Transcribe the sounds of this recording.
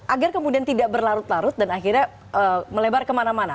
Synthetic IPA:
ʔaɡarkəmudiant̪idaʔbərlaɾʊt̪laɾʊt̪̚danaxirɲa | ʔəməlebarkəmanamana

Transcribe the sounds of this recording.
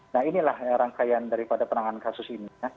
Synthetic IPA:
naɦinilahɾaŋkajandaɾipadapənaŋankasʊsinia

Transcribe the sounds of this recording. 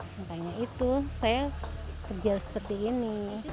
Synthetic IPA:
ŋkaɲait̪usajakərd͡ʒalsə̥pərt̪iini

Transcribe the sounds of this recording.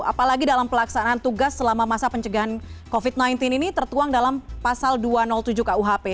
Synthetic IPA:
apalaɡidalampəlaksanant̪uɡasːəlamamasapəɲt͡ʃəɡaɦankofit̪̚najnt̪ininit̪ərt̪uaŋdalampasalduanɔlt̪ud͡ʒukauɦape

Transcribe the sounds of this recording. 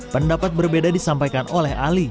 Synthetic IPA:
pəndapat̪̚bərbedadisampajkanolɛha̰li

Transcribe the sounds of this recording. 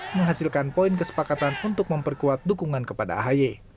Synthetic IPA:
məŋɦasilkanpoinkəsə̥pakat̪anunt̪ʊk̚məmpərkuat̪̚dukuŋankəpada̰a̰ɦaje

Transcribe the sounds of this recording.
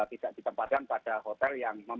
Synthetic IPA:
p̪id̥aʔd̥it̪əmpat̪̚kanpad̥aɦot̪ɛljaŋməm

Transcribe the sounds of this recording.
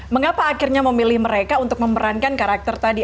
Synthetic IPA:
məŋapaːkirɲaməmilɪhməɾekaunt̪ʊk̚məmbəɾankankaɾak̚t̪ərt̪adi

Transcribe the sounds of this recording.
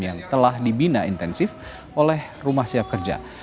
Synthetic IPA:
jaŋt̪əlahdibinaint̪ɛnsɪf | ʔolɛh | rumahsiap̚kərd͡ʒa̰

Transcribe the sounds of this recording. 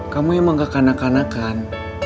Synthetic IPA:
kamujaŋmaŋɡakanakanakan

